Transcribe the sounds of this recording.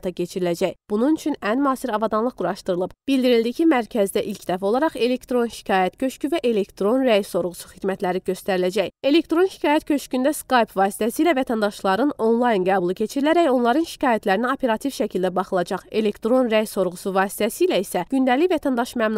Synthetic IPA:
t̪ʰɑcʰe̞t͡ʃʰiɾilæd͡ʒæjb̥ununyt͡ʃʰynænmɑːsiɾɑvɑd̪ɑnlˠɯʁɡuɾɑʃt̪ɯɾɯlˠɯbb̥ild̪iɾilʲd̪icʰimæɾcʰæzd̪æʔilcʰd̪æfæo̞lˠɑɾɑχe̞le̞kt̪ɾo̞nʃi̥cʰɑːjæt̪cʰø̞ʃcyvæʔe̞le̞kt̪ɾo̞nɾæjso̞ɾʁusuχid̪mæt̪ʰlæɾiɟø̞st̪æɾilæd͡ʒæje̞le̞kt̪ɾo̞nʃi̥cʰɑːjæt̪cʰø̞ʃcynd̪æskɑjpvɑːsi̥t̪ʰæsiːlævæt̪ʰænd̪ɑʃlˠɑɾɯno̞nlˠɑjnɡæːbulˠicʰe̞t͡ʃʰiɾilæɾæjo̞nlˠɑɾɯnʃi̥cʰɑːjæt̪ʰlæɾiniopʰe̞ɾɑt̪ʰivʃæcʰilʲd̪æbɑχɯlˠɑd͡ʒɑχe̞le̞kt̪ɾo̞nɾæjso̞ɾʁusuvɑːsi̥t̪ʰæsilæisæɟynd̪ælivæt̪ʰænd̪ɑʃmæmn

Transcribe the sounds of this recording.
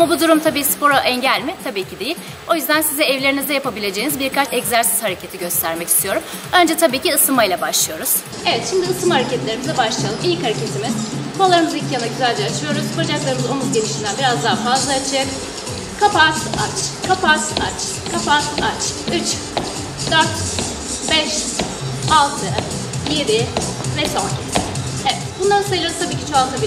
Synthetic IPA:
amabud̪uɾumt̪ʰabiːspʰo̞ɾoʔɛɲɟælʲmɪt̪ʰabiːcʰid̪ejilʲ | o̞jyzd̪ænsizɛɛvlʲeɾinizd̪ɛjapabilʲe̞d͡ʒejinizbiɾkʰat͡ʃɛczæɾsi̥z̥haɾe̞cʰe̞t̪ʰiɟø̞st̪ʰæɾmɛcist̪ʰijo̞ɾum | ø̞nd͡ʒɛt̪ʰabiːciɯsɯmajlˠabaʃlˠɯjo̞ɾuz̥ | e̞vɛt̪ʃimd̪iɯsɯmhaɾecɛt̪lʲe̞ɾimizɛbaʃlˠɯijalˠɯmilʲchaɾecʰe̞t̪ʰimiz̥bualˠaɾɯmɯzilʲcʰjanaɟyzælʲd͡ʒɛat͡ʃʰɯjo̞ɾuzkʰod͡ʒaklˠaɾɯmɯzo̞nuzɟe̞niʃind̪ænbiɾazd̪aɦafazlˠaːt͡ʃʰɯɛk | kʰapasat͡ʃkʰapʰasat͡ʃ | kʰapʰasat͡ʃyt͡ʃ | d̪øɾt̪ | bɛʃ | alˠt̪ʰɯ | jebivɛson | evɛt̪bund̪ansajlˠazt̪ʰabiːcʰi̥t͡ʃʰoalˠt̪ʰabi

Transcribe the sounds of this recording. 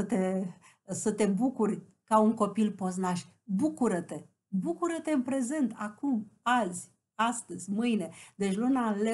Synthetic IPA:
ət̪e̞ | sət̪e̞bukurʲ | kauŋko̞pilpo̞znaʃʲ | bukuɾət̪e̞ | bukuɾət̪e̞ɨnpɾe̞ze̞nt̪akumazʲ | ast̪əzʲmɨjne̞d̪e̞t͡ʃʲlunale

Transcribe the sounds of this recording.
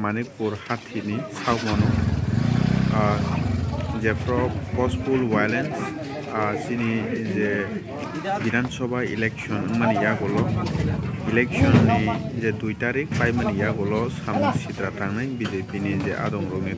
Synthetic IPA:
manik̚puɾhatʰit̚nisawmanɔ | zɛpʰɾɔpɔspulwajlɛns | sinizɛ | bidʱansɔbaḭlɛksɔnɯŋmanijaɡɔlɔ | ilɛk̚sʰɔnːizɛdujtaɾik̚pajmanijaɡɔlɔsamnisitɾatʰaŋnajbizepinizɛʔa̰dɔŋɾɔk̚ni

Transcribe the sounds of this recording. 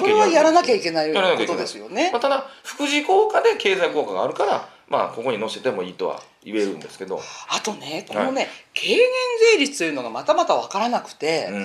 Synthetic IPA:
so̞ɾe̞βajaɾanakʲaikʲe̞naijaɾanakeokt̪od̪esɨjo̞ne̞mat̪ad̪aɸɯ̟̥kɯ̟ʑiko̞ːkad̪e̞ke̞ːzaikoːkaɡa̰ːɾɯ̟kaɾa | ma̰ko̞ko̞ɲ̟ino̞ɕet̪e̞mo̞iːt̪o̞̰βa̰ | ie̞ɾɯ̟̃nd̪e̞sɨ̥ke̞d̪o̞̰at̪o̞ne̞ko̞none̞kʰe̞ːɡẽnze̞ːɾʲit͡sɨ̥t̪ojɯ̟noɡamat̪amat̪aβakaɾanakɯ̟̥t̪e̞

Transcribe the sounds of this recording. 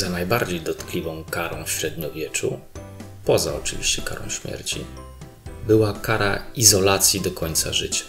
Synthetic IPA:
zanajbaɾd͡ʑejd̪ɔt̪klʲivɔ̃w̃kaɾɔ̃w̃fɕɾɛd̪ɲɔvʲjɛt͡ʂṵ | pɔzaɔt͡ʂɨvʲiɕt͡ɕɛka̰ɾɔ̃w̃ɕmʲjɛ̰ɾt͡ɕḭ | bɘwakaɾa̰izɔlat̪sʲjid̪ɔkʰɔɲt̪sa̰ʐɘt͡ɕḁ

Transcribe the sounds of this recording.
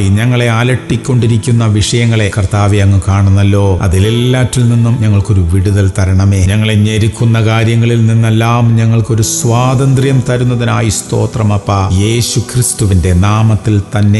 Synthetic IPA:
iɲɐŋːɐɭe̞aːlɐʈːikʲːo̞ɳɖiɾikʲːunːɐʋiʂɐjɐŋːɐɭe̞kɐrt̪aːʋejɐŋːɨkaːɳunːɐlːo̞ːɐ̰ðilelːaːtːilninːumɲɐŋːɐɭko̞ɾuʋiɽuðɐlt̪ɐɾɐɳɐme̞ːɲɐŋːɐɭeɲeɾikʲːunːɐkaːɾjɐŋːɐɭilninːelːaːmɲɐŋːɐɭko̞ɾusʋaːd̪ɐnd̪rjɐmt̪ɐɾunːɐðinaːjist̪o̞̰ːt̪rɐmɐpːɐje̞ːɕukrist̪uʋinde̞naːmɐt̪ːilt̪ɐnːe̞

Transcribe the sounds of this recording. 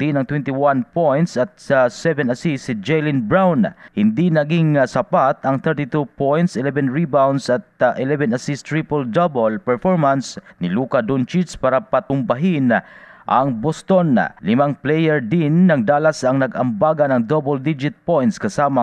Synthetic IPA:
d̪inɐŋt̪wɛnt̪ɪwanpojnt̪sɐt̪̚sɛvɛnasisid͡ʒɛjlɪnbɹawnhɪnd̪inɐɡiŋsɐpat̪ɐŋθɛɹt̪it̪upojnt̪sɛlɛvɛnɹibawnd̪sɐt̪ʔɛlɛvɛnasist̪ɹipold̪ɐbolpɛɹfoɹmɐnsnɪluːkad̪unt͡ʃitspaːɾapɐt̪ʊmbɐɦinʔɐ̰ŋbost̪onlɪmaŋplɛjɛɹd̪inːɐŋd̪aːlasɐŋnɐɡɐmbaːɡɐnɐŋd̪obold̪id͡ʒɪt̪̚pojnt̪skɐsaːma

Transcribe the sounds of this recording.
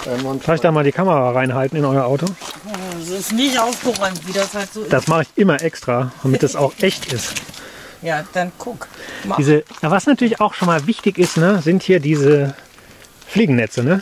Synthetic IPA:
d̥aːfɪçd̥aːmaːldiːkʰaməʁaːʁaɪnɦaltn̩ɪnɔʏɐʔaʊto | zoɪsnɪçtʔaʊfɡ̥əʁɔʏmtviːdashaltz̥od̥asmaχəɪçʔɪmɐʔɛkstʁ̥aːd̥amɪtd̥asaʊxʔɛçtɪst | jaːd̥ankʰʊkdiːzəjaːvasnatʰyɐlɪçaʊxʃoːnmaːlvɪçtɪçɪstnəzɪnthiːɐdiːzə | fliːɡŋ̩nɛt͡sənə

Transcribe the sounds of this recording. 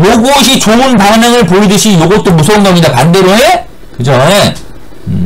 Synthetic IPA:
joɡuɕ̬ʰit͡ɕounpaneŋɯɭpoidɯɕʰijoɡot͈omusʰʌunɡauɲidapande̞ɾjoe | kɯd͡ʑoe

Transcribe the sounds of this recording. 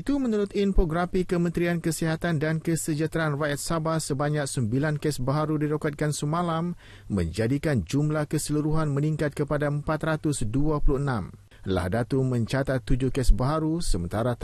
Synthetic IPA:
it̪umə̃nuɾʊt̪infoɡɾafikəmə̃nt̪ɾiankəsiɦat̪andankəsəd͡ʒat̪ɾaanrajat̪̚sabahsəbaɲãk̚səmbilankɛsbaɦaɾudiɾokat̪̚kansəmãlamː | ə̰̃ɲd͡ʒadikand͡ʒumlahkəsəluɾuɦanmə̃niŋkat̪̚kəpadaəmpat̪ɾat̪ʊsduapuluənãm | la̰hdat̪umə̃ɲt͡ʃat̪at̪ːud͡ʒʊhkɛsbaɦaɾusəmə̰̃nt̪aɾa

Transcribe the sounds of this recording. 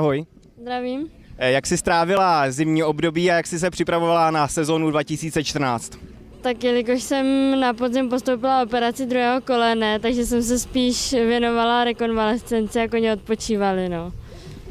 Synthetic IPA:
aɦoj | zd̪ɾaviːm | jaksɪst̪ɾaːvɪlazɪmɲiːobdobiːajaksɪs̬ɛpr̝̥ɪpɾavovalanasɛzonudvacɪsiːt͡sɛt͡ʃt̪r̩naːt͡st̪ | t̪akjɪlɪk̬o̞ʃsɛmnapozɪmpo̞st̪owpɪlaopɛɾat͡sɪd̪ɾuɦɛːɦoko̞lɛnɛt̪aɡʒɛs̬ɛms̬ɛspiːʃvjɛno̞valaɾɛko̞nvalɛst͡sɛnt͡sɪjakoɲɛot̪̚po̞t͡ʃiːvalɪno̞ː

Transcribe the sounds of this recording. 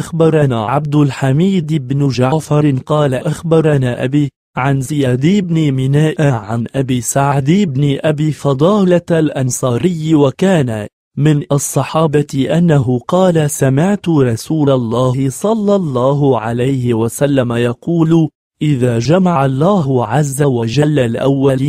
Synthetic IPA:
ʔaxbɑɾˤɑnaʕab̚d̪ʊlħamiːd̪ɪbnʊd͡ʒaʕfɑɾˤqɑːlaʔaxbɑɾˤanaʔa̰biː | ʕanzɪjaːd̪ibnɪmɪnaːʔaʕanʔabiːsaʕaʕd̪ibnɪʔabiːfɑd̪ˤɑːlalʔɑnsˤɑːɾɪjːwakaːna | mɪnʔɑsˤːɑħɑːbɑʔanːaɦʊqɑːlasamɪʕt̪ʊɾˤɑsuːlɑlˤːɑːhɪsˤɑlːɑlˤːɑːɦʊʕalajhɪwasalːamajɑquːl | ʔɪðaːd͡ʒamaʕɑlˤːɑːɦʊʕazːawad͡ʒalːalʔa̰wːaliːn

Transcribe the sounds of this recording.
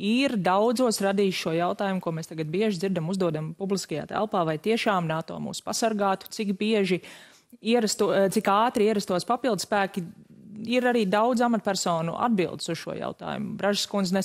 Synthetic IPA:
iɾd̪awd̪zuɔsɾad̪iːʃʃuɔjawt̪aːjumkuɔmeːst̪aɡat̪̚biɛʒd̪ziɾd̪amuzd̪uɔd̪ampublˠiskɐja̰ːt̪æ̰lˠpaːvajt̪iɛʃaːmnaːt̪o̰ːmṵːspasaɾɡaːt̪u̥t̪sikbiɛʒi | iɛɾast̪ut̪sikaːt̪ɾiiɛɾast̪uɔspapilˠd̪spæːkiiɾaɾiːd̪awd̪zamat̪̚pʲæɾsɔːnṵʔa̰d̪bilˠd̪suz̥ʃṵɔja̰ʊt̪a̰ːjṵmʊbɾaʒskunznɛ

